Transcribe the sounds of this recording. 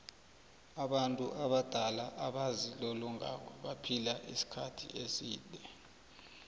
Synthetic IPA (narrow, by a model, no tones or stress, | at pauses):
aɓantʼuʔaɓad̥ʱalaʔaɓazilɔlɔŋa̰kɛɓapʰilaʔḭsi̥kʰatʰḭʔesiːdʱɛ